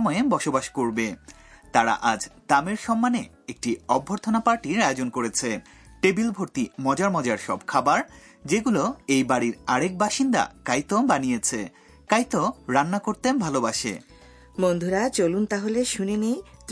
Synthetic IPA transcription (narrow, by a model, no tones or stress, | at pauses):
mɔebɔʃobaʃkoɾbe | t̪aɾa̰ʔad͡ʑt̪ameɾʃɔmːane | ek̚ʈiɔbʱːoɾt̪ʰonapaɾʈiɾaeod͡ʑonkoɾet͡ɕʰe | ʈebilbʱoɾt̪imɔd͡ʑaɾmɔd͡ʑaɾʃɔ̰bkʰabaɾ | d͡ʑeɡuloejbaɽiɾaɾek̚baʃind̪a̰kajt̪obanijet͡ɕʰe | kajt̪oɾanːakoɾt̪embʱalobaʃḛ | mond̪ʱuɾat͡ɕolunt̪aɦoleʃunini